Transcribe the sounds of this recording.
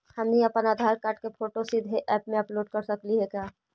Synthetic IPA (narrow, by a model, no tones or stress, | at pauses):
həmniəpənaːd̪ʱaːɾkaːɾʈkepʰoːʈosid̪ʱɦeʔɛːpmẽɐploːɖ̚kəɾsəkliɦɛkaː